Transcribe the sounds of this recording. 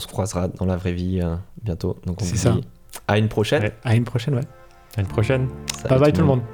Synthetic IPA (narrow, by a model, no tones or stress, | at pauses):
ɔ̃sə̥kχwazʁad̪ɑ̃lavʁɛviøbjɛ̃t̪od̪ɔ̃kɔ̃svusdai | aynpχɔʃɛaynpχɔʃɛnwɛ | aynpχɔʃɛnsababajt̪ulmɔ̃d̪